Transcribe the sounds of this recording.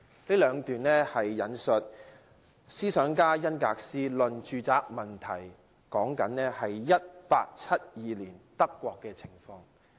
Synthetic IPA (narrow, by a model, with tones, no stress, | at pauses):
liː˥lœː˨˧ŋt̪yː˨nlɛː˥hɐ˨jːɐ˨˥nsɵ˨t̚ | siː˥sœː˨˥ŋkaː˥jɐ˥nkaː˧k̚siː˥lɵ˨nt͡ʃyː˨˧t͡saː˧k̚mɐ˨nt̪ʰɐ˨˩j | kɔː˨˥ŋkɐ˨˥nlɛː˥hɐ˨jːɐ˥t̚pa̰ː˧k̚t͡sʰɐ˥t̚jiː˨˧liː˨˩nt̪ɐ˥kːʷɔː˧kːɛː˧t͡sʰɪ˨˩ŋfɔː˧ŋ